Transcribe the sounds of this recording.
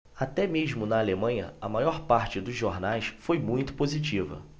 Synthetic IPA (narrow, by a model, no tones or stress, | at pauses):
at̪ɛmeʒmʊnɐːlemɐ̃jɲɐ̰ɐmajɔɾpaɾt͡ʃɪd̪ʊzʒoɾnajsfojmũj̃t̪ʊ̥pozit͡ʃivɐ̰